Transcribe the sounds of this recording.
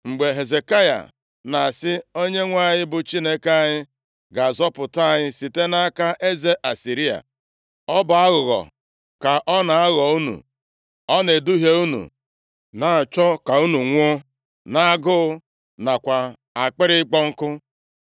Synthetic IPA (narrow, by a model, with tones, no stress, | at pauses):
ŋ͡m̩˨ɡ͡be˨ɦe˨ze˨ka˦ja̰˨ | na˨sɪ˦o˦ɲe˦ŋʷa˦˨ɲɪ˦bʊ˨t͡ʃi˦ne˦ka˨ɲɪ˦ | ɡa˨zɔ˦pʊ˨ta˦˨ɲɪ˦si˨te˦na˦a˦ka˦ʔe˦ze˦ʔa˨si˨ɾi˦a̰˨ | ɔ˦ba˨a˦ɣʊ˨ɣɔ̰˨ | ka˨ʔɔ˦na˨a˦ɣɔ˨u˦nṵ˨ | ɔ˦ne˨du˦ɦje˦u˦nṵ˨ | na˨a˨t͡ʃɔ˦ka˨u˦nu˨ŋʷʊ˦ | na˨a˦˨ɡʊ˦ | na˨kʷa˨ | a˨k͡pɪ˦ɾɪ˦k͡pɔ˦ŋ̩˦kʊ˦